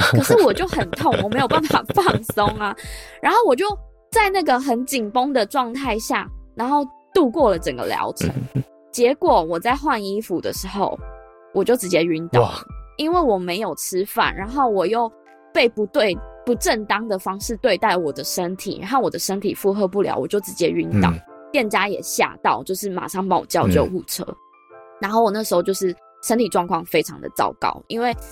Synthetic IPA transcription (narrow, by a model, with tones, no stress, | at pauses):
kʰɤ˨˩ʂɻ̩˥˩wɔ˨˩t͡ɕjo˥˩ʊxə˨˩nt̪ʰo˥˨ŋwɔ˨˩me˧˥jo˨˩ʊpa˥˨nfa̰˨˩fɑ˥˨ŋso˦˥ŋa˨ɻa˧˥nxo˥˩ʊwɔ˨˩t͡ɕjo˥˩ʊ | t͡sa˥˧ɪna˥˩ɡə˨xə˧˥nt͡ɕi˨˩ŋpo˥ŋd̪ə˨ʈ͡ʂwɑ˥˧ŋt̪ʰa˥˧ɪɕja̰˥˩ɻa˧˥nxo˥˧ʊt̪u˥˧kwɔ˥˩lə˩ʈ͡ʂə˨˩ŋɡə̰˦ljɑ̰˧˥ʊʈ͡ʂʰə̰˧˦ŋ | t͡ɕjɛ˧˦˥kwɔ˨˩wɔ˨˩t͡sa˥˧ɪxwa˥˧ni˥fu˨˦d̪ə̰˨ʂɻ̩˧˥xo̰˥˩ʊ | wʔɔ˨˩t͡ɕjo˥˩ʊʈ͡ʂɻ̩˧˥t͡ɕjɛ˦˥y˧˦nt̪ɑ˥˩ʊlə˩i˦nwe˥˩ɪwɔ˨˩me˧˥ɪjo˨˩ʊʈ͡ʂʰɻ̩˥fa̰˥˨˩nɻa˨˦nxo˥˩ʊwɔ˨˩jo˥˩˧ʊ | pe˥˩ɪpu˨˦t̪we˥˨ɪpu˨˦ʈ͡ʂə˥˨nt̪ɑ˥ŋd̪ə˨fɑ˥ŋʂɻ̩˥˧t̪we˥˧ɪt̪a˥˩ɪlə˨wɔ˨˩d̪ə˦ʂə˦˥nt̪ʰḭ˨˩ɻa̰˨nxo˥˩wɔ˨˩d̪ə˦ʂə˦˥nt̪ʰḭ˨˩fu˥˧xɤ˥˧p̬u˥˩ljɑ̰˧˦ʊwɔ˨˩t͡ɕjo˥˩ʊʈ͡ʂɻ̩˧˥t͡ɕjɛ˦y˧˥nt̪ɑ̰˨˩ʊt̪jɛ˥˨nt͡ɕja˦jɛ̰˨˩ɕja̰˥˧t̪ɑ˥˧ʊt͡ɕjo˥˧ʊʂ̬ɻ̩˥˩ma̰˨˩ʂɑ˥˩ŋpɑ˥ŋwɔ̰˨˩t͡ɕjɑ˥ʊt͡ɕo˥˩ʊu˥˩ʈ͡ʂʰɤ̰˥ | ɻa˧˦nxo˥˩ʊwɔ˨˩na˥˩ʂ̩˧˥xo˥˧ʊt͡ɕo˥˧ʂɻ̩˥˩ | ʂə˥nt̪ʰi˨˩ʈ͡ʂwɑ˥˧ŋkʰwɑ˥˩ŋfe˥ɪʈ͡ʂʰɑ̰˧˥ŋd̪ə̰˨t͡sɑ̰˥˩ʊkɑ̰˥ʊi˦nwe˥˩ɪ